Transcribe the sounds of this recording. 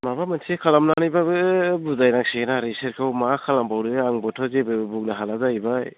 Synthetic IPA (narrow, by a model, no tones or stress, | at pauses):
maβamansʰekʰalamnanajbaɯbuzajnak̚senaɾiseɾkʰawmakʰalambawɾɯaŋbɔtʰɔzebɯbuk̚naɦalazajbaj